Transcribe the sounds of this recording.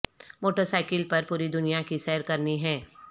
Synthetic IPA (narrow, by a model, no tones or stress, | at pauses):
moːʈəɾsaːɪkɪlpɐɾpuːɾid̪ʊnijakisɛːəɾkɐɾniɦɛ̃ː